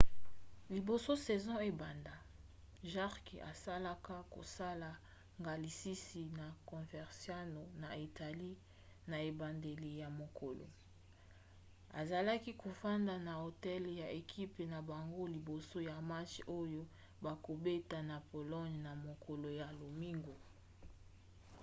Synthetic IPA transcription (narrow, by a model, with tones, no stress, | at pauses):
li˨bo˨so˦sɛ˨zɔ̃˦e˨ba˨nda˨ | ʒa˦ʁki˨ʔa̰˨sa˦la˦ka˦ko̰˨sa˦la˨ | ŋɡa˨li˨si˦si˨na˨kɔ̃˨fɛ˨ʁsja˦no˨na˨i˨ta˨li˦ | na˨e˨ba˨nde˨le˨ja˨mo˨kʰo˨lo̰˨ | a̰˨za˨la˦ki˦ko˨fa˦nda˨na˨o˨tɛ˦lja˨e˨kʰi˦pe˨na˨ba˨ŋɡo˦li˨bo˨so˦ja˨ma˦t͡ʃo˦jo˦ | ba˨ko˨be˦ta˨na˨po˨lɔ˦ɲna˨mo˨kʰo˨lo˨ja˨lo˨mi˦ŋɡo˨